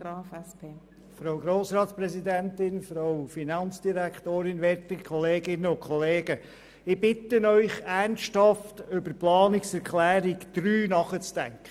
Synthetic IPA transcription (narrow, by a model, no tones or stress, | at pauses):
ɾɑːfɛspʰeː | fɾoʊɡɾoːsɾɑːtspɾɛsidæntɪnfɾowfinɑnt͡sd̥iɾæktoːɾɪnʋɛɾtəkʰɔleːɡɪnəʊnkʰχɔleːɡ̥ə | ɪb̥ɪtənœʏχænsthɑftʏbəɾplɑːnɪksɛɾkʰlæːɾikd̪̥ɾyːnɑχət͡sd̥æ̰ŋkʰə